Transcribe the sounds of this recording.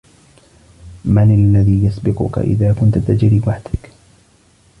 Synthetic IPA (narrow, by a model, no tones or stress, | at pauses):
manalːaðiːjasbɪqʊ̰ka̰ʔɪ̰ðaːkʊnt̪ʊt̪ad͡ʒɾiːwaħd̪̥ɪk